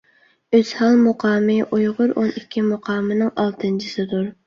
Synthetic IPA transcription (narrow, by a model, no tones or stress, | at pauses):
øz̥hɑlˠmʊqʰɑːmɨʔujʁʊɾonikʲʰːimʊqʰɑːmɨnɪŋʔɑlˠt̪ʰɨnt͡ʃʰisɨd̪uɾ